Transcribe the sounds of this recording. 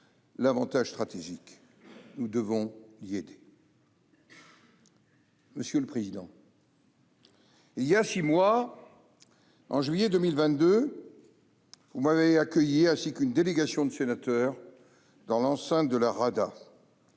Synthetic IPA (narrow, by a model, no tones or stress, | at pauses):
lavɑ̃t̪aʒst̪χat̪eʒik | nud̪əvɔ̃lied̪e | məsjøləpχezid̪ɑ̃ | iljasimwa | ɑ̃ʒɥijɛd̪ømilvɛ̃t̪̚d̪ø | vumaveakʲœjiɛ̃sikynd̪eleɡasjɔ̃d̪əsenat̪œːʁ | d̪ɑ̃lɑ̃sɛ̃t̪̚d̪əlaʁad̪a